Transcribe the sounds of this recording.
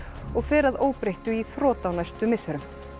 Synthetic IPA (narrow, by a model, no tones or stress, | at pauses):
ɔɣfɛːɾaðoːwpɾejht̪ʏiθɾɔːt̪awnajst̪ʏmɪsːɛɾʏm